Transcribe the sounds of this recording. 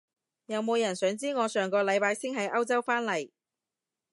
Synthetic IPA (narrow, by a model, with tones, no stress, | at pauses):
jɐ˨˧wmo˨˧wjɐ˨˩nsœː˨˥ŋt͡siː˥ŋɔː˨˧sœː˨˩ŋkɔː˧lɐ˨˧jpaː˧jsɪ˥ŋɦɐ˨˥jʔɐ˥wt͡sɐ˥wfaː˥nlɐ˨˩j